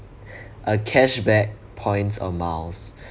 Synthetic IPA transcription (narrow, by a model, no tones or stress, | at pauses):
ʔəkʰɛʃbɛk̚ | pʰɔ̃ɪ̃nsɔ̰mals